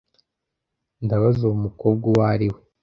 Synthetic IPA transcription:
ndaβazoumukoːb̚ɡuwaɾiwe

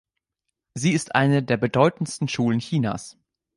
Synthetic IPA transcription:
ziːɪstʔa̰ɪnədeːɐbədɔʏtn̩stn̩ʃuːlənçiːna̰ːs

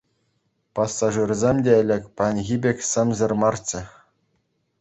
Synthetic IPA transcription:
pɑsːɑʐɯrzʲemʲdʲeɘ̆lʲɘ̆kʲpɑnʲɣʲibʲekʲsɘ̆mʲzɘ̆rmɑrt͡ɕɘ̆

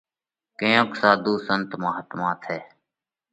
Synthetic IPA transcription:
kẽːõːksaːd̪uːsənt̪maːɦət̪mãːt̪ʰɦɛː

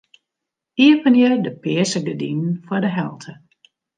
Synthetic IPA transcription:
iəpənjədəpɪəsəɡədḭnn̩fwɔdəɦɛlˠtʰə

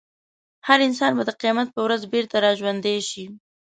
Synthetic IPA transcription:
haɾɪns̬ɑnbad̪əqijmat̪̚pəwɾazbeɾt̪aɾɑʒwand̪eʃi

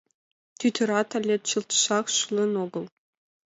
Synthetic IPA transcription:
t̪ʲyt̪ʲɘ̆ɾɑt̪ɑ̆lʲːet̪ʲt͡ɕɯlˠt̪ʃɑχʃulʲˠɤ̆noɡɤ̆lˠ

